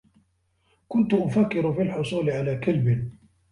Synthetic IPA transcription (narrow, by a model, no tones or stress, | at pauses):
kʊnt̪ʊʔʊfakːɪɾʊfiːlħʊsˤuːlɪʕalaːkalbɪn